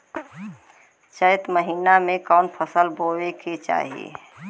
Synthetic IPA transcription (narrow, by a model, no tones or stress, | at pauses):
t͡ʃəjt̪məɦiːnamẽkaːnpʰəsəlboːwekit͡ʃa̰ːɦiḛ